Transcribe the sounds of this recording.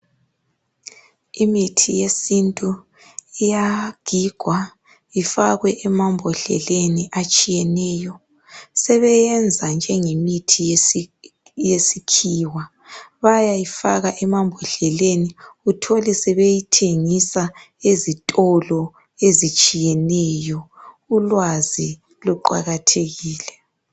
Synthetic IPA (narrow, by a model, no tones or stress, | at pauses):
imitʰijesintʼu | ijaɡ̥ʱiɡ̥ʱwa | ifaɣwɛʔɛmambʱɔɬɛ̰leniʔat͡ʃʼijɛnɛːjɔ | sɛβɛjɛnd͡zʱand͡ʒʱɛŋemitʰi | jesikʰiːwa | βajaifaɣaʔɛmambʱɔɬɛleniutʰɔlɛsɛβejitʰeŋisa | ezitʼɔlɔ | ezit͡ʃʼijɛnɛjɔ | ulwazi | luǃa̰ɣatʰeɣiːlɛ